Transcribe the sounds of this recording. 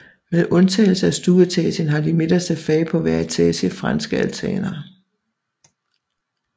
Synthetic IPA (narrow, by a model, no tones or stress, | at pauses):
meðˠʔɔ̽nt͡sʰɛ̰ːɪl̩səæsd̥uːðˠɐt͡sʰɛ̰ːsənɦɑ̈d̥ime̝d̥ɐsd̥æðˠfɛːɪpʰɒ̽ʋæɐit͡sʰɛ̰ːsəfʁɑ̈nsɡ̥əælt͡sʰɛ̰ːnɐ